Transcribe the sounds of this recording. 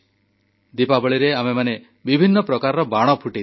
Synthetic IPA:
d̪ipabɔɭiɾeamemane | bibʱinːɔpɾɔkaɾɔɾɔbaɽ̃ɔpʰuʈi

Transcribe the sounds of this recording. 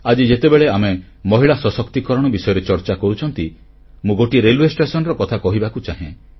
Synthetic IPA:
ad͡ʒid͡ʒet̪ebeɭeame | mɔɦiɭasɔsɔkt̪ikɔɾɔɽ̃ɔbisɔjɔɾet͡ʃɔɾt͡ʃakɔɾut͡ʃʰɔnt̪i | mũɡoʈiɾeluesʈesɔnɾɔkɔt̪ʰakɔɦibakut͡ʃaɦḛ̃

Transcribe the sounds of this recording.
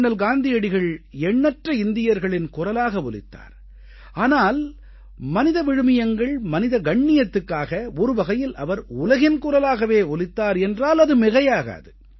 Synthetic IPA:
ɳɐlɡaːnd̪ɪjɐɽɪɣɐɭɛɳːɐʈrɐɪnd̪ɪjɐɾɣɐɭɪnkʊrɐlaːɣɐɔlɪ̰t̪ːa̰ːɾ | aːnaːl | mɐnɪðɐʋɪɻɯmɪjɐŋɡɐɭmɐnɪðɐɡɐɳːɪjɐt̪ːɯkːaːɣɐɔɾɯʋɐɣɐjɪlɐʋɐɾʊlɐɣɪnkʊrɐlaːɣɐʋeːɔlɪt̪ːaːɾɛndraːlɐðɯmɪɣɐjaːɣɐ̰ɐ̰ðɯ

